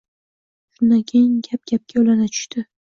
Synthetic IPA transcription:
ʃʊnd̪akʲʰejŋɡʲap̚ɡʲap̚kʲʰaolanat͡ʃʰʊ̥ʃt̪ʰɪ

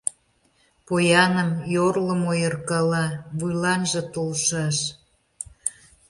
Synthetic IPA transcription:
pojɑnəmjorlə̆mojərkɑlɑβujlɑnʒĕt̪olʃɑʃ

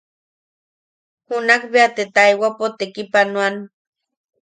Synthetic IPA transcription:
hunakbeat̪et̪ajwapot̪ekipanwan

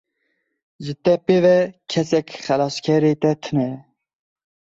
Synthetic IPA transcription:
ʒɨt̪ɛpevɛkʲʰɛsɛkʲxɛlɑːskʲʰɛɾet̪ɛt̪ʰɨnɛ

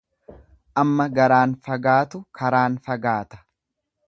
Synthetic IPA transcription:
ʔɐmːɐɡɐɾaːnfɐɡaːt̪ʊkʰɐɾaːnfɐɡaːt̪ɐ̥

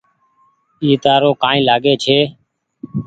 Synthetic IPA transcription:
iːt̪aːɾoːkaːĩːlaːɡeːt͡ʃʰeː

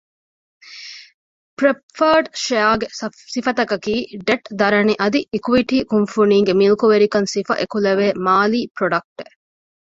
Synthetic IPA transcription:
pɾefɐːɖʃeaːɡesifɐt̪ɐkɐkiːɖeʈd̪ɐɾɐniʔɐd̪iikuʋiʈiːkunfuniːŋɡemilukuʋeɾikɐnsifɐ̰ʔekulɐʋeːmaːliːpɾoɖɐk̚ʈe

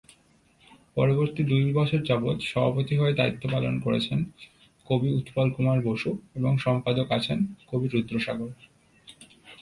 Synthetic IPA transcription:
pɔɾoboɾt̪id̪ujlbɔʃʰeɾd͡ʑabot̪ʃɔbʱapot̪iɦɔed̪ait̪ːopalonkoɾet͡ɕʰen | kobiut̪palkumaɾboʃueboŋʃɔmpad̪okat͡ɕʰenkobiɾud̪ːɾoʃaɡoɾ

